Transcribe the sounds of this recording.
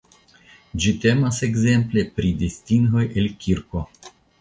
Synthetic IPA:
d͡ʒit̪e̞mase̞ɡze̞mple̞pɾid̪istiŋɡo̞jelkʲʰiɾko̞

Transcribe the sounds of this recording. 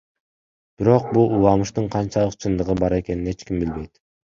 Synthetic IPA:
b̥iɾo̞q̚bulˠulˠɑmɯʃt̪uɴqʰɑnt͡ʃɑlˠɯqt͡ʃʰɯnd̪ɯʁɯbɑɾe̞ke̞nine̞t͡ʃkimbilbe̞jt̪

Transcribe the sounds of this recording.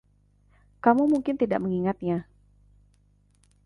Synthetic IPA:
kamumuŋkɪnt̪ida̰ʔ̚məŋiŋat̪̚ɲa

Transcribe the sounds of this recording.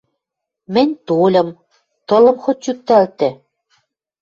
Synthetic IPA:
mɘ̆nʲt̪olʲɤ̆m | t̪ɤ̆lɤ̆mxot̪̚t͡ɕyt̪ːælt̪ɘ̆

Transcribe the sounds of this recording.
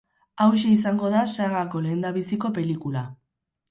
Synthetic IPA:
awʃ̬eis̬aŋɡo̞ðasaɣako̞le̞ːnd̪aβisiko̞pe̞likula

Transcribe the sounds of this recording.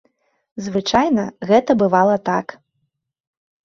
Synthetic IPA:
zvɨt͡ʂajnɐɣɛt̪ɐbɨvalˠɐt̪ak

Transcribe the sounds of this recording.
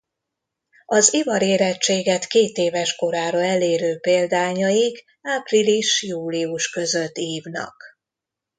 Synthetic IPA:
ɒzivɒɾeːɾɛt͡ʃːeːɡɛt̪keːt̪eːvɛʃko̞ɾaːɾoɛleːɾøːpeːld̪aːɲɒjiɡ | aːpriliʃjuːliuʃkø̞zø̞t̪ːiːvnɒ̰k

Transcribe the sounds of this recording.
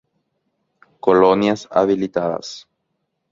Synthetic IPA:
kolonjasa̰βilit̪aða̰s

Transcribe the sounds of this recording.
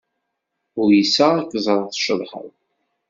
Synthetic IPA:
ʊɾjisːæækːəzˤɾˤəθʃəðˤħə̰ðˤ

